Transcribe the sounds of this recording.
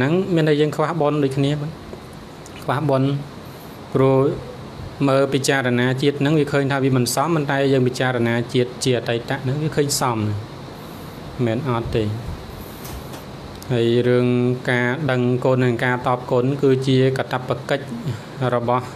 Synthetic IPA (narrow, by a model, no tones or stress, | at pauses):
nɨŋmiənɗəjəːŋkʰʋahɓonɗoːc̚kʰniəa | kʰʋahɓon | pruəh | məːpit͡ɕaːɾɔnaːt͡ɕiət̪̚nɨŋʋiəkʰəːɲt̪ʰaːʋiəmɨnsɑmpont̪aɛjəːŋpit͡ɕaːɾɔnaːt͡ɕiət̪̚t͡ɕiəat̪əjt̪aʔnɨŋʋiəkʰəːɲsɑmnɨŋ | mɛːnʔɑt̪ːeː | haəjrɨəŋkaːɗəŋkoːnːɨŋkaːt̪ɑːp̚koːnkɨːt͡ɕiəkat̪apːakəc̚ | rɔɓɑh